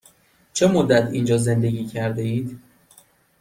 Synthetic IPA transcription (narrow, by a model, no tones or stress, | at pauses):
t͡ʃʰe̞mod̪ːæt̪ʰind͡ʒɒːze̞nd̪e̞ɡʲiːcʰæɾd̪e̞iːd̪